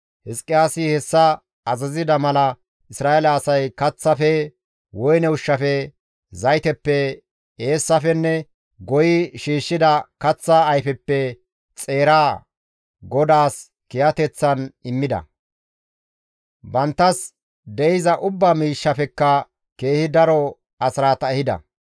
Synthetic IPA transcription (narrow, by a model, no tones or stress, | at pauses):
hɪskʼːɪaːsɪhɛsːɐ | ɐzɐzɪd̪ɐmɐlɐ | ʔɪsɾaːʔɛlɐːsɐjkɐt͡sːɐfɛ | wɔjnɛʊʃːɐfɛ | zɐjt̪ɛpːɛ | eːsːɐfɛnːɛ | ɡɔjɪʃiːʃːɪd̪ɐkɐt͡sːɐːjfɛpːɛ | t͡sʼe̞ːɾaː | ɡɔd̪aːs | kɪjɐt̪ɛt͡sːɐnɪmːɪd̪ɐ̰ | bɐnt̪ːɐs | d̪ɛjɪzɐʔʊbːamiːʃːɐfɛkːɐ | ke̞ːhɪd̪ɐɾɔ | ɐsɾaːt̪ɐɛhɪd̪ɐ̰